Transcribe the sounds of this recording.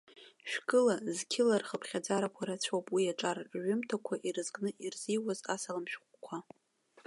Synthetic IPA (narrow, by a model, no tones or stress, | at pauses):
ʃᶣkʼɨlazkʲʰɪlarχəpʰχʲad͡zaɾakʷʰaɾat͡ɕʷʰowpʼwiaʈ͡ʂʼarʕʊmtʰakʷʰaʔirɨzɡʼnɨʔirzijwazasalamʃᶣχʷkʷʰa